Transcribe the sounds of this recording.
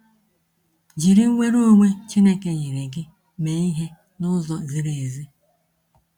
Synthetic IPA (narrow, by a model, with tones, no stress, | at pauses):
d͡ʒi˨ɾi˦ŋ˦ŋʷe˦ɾo˦ŋʷe˦t͡ʃi˦ne˦ke˨ɲi˨ɾe˨ɡɪ˦ | me˨i˦ɦe˦ | nʊ˦zɔ˨zi˦ɾe˨e˨zi˦